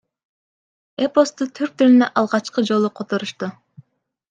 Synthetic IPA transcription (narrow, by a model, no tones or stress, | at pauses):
epo̞st̪ut̪ʰyɾk̚t̪ylynøʔɑlˠʁɑt͡ʃqɯd͡ʒo̞lˠuqʰot̪oɾuʃt̪u